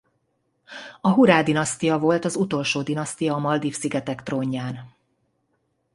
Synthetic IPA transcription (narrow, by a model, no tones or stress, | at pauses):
ɒɦuɾaːd̪inɒst̪ijɒvo̞lt̪ɒzut̪o̞lʃoːd̪inɒst̪ijɒːmɒld̪ifsiɡɛt̪ɛkt̪roːɲːaːn